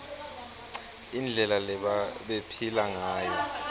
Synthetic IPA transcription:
ind͡ɮʱɛlalɛɓepʰilaŋaːjɔ

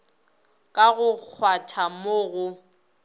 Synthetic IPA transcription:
kʼaɣʊk͡xʰwatʰamoːɣʊ

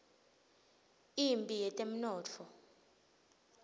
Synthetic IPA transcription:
impʼijɛtʼem̩nɔːt͡fʰɔ

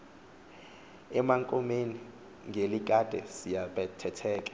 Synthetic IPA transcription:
ɛmaŋkʼɔmeni | ŋʱelik̬ʼad̥ʱɛsijaɓɛtʰɛtʰɛːk̬ʼɛ

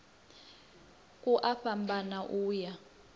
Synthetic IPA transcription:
kʼuʔaɸambanaʔuːja

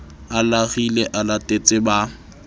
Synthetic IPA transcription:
alaɣileʔalatʼet͡sʼɪba

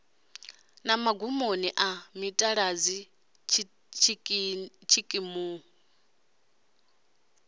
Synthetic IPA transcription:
namaɡumoniʔamitʼaɺad͡zi | t͡ʃʰ | t͡ʃʰikʼimu

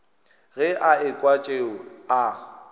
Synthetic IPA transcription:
ɣɛʔaɪkʼwat͡ʃʼeːa

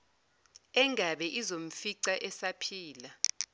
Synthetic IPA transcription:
ɛŋʱaɓɛʔizom̩fiǀaʔɛsapʰiːla

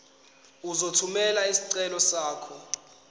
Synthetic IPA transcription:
uzotʰumɛlaisi̥ǀɛlɔsaːkʰɔ

